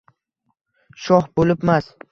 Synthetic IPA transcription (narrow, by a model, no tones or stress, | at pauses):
ʃɒhbolɪpmas